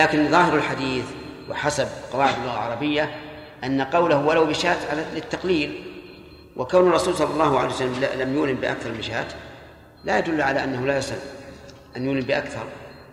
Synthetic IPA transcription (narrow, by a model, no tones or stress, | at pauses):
laːkɪnðˤɑːhɪɾɪlħad̪iːθ | wɪ̰ħasabqɑwaːʕɪd̪ɪlːʊɣalʕɑɾˤɑbɪjːa | ʔanːaqɑwlahwalawbɪʃaːt̪ʕalalɪt̪ːɑqliːl | wʔɪkawnʊrˤːɑsuːlsˤɑlːɑlˤːɑːhʊʕalejwsalːamllamjʊːlɪmbɪʔa̰kθɑɾˤmnʃa̰ːt̪ | lajad̪ʊlːʕalaʔanːahʊlajasˤal | ʔanjuːlɪmbɪʔakθɑɾˤ